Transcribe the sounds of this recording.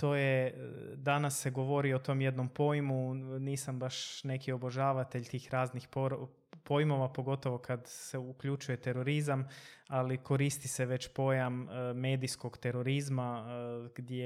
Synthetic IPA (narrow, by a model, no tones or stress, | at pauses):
t̪o̞ːje̞ | d̪anasːe̞ɡo̞ʋo̞ɾiot̪o̞ːmje̞d̪no̞mpo̞jmuniːsambaʃne̞kio̞boʒaːʋat̪eʎt̪iːxɾaːznixpoɾ | po̞jmo̞ʋapo̞ɡo̞t̪o̞ʋo̞kʰad̪seukʎut͡ʃuje̞t̪e̞ɾoɾizamalikʰo̞ɾist̪iseʋe̞t͡ɕpo̞jamːe̞ːd̪isko̞ɡt̪e̞ɾo̞ɾizmaɡd̪je